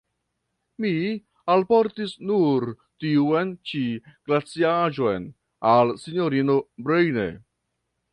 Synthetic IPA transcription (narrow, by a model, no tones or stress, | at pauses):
mi | alpo̞ɾtisnuɾ | tiuent͡ʃiɡ̥lat͡siaʒo̞jn | alsinjo̞ɾinobɾejnḛ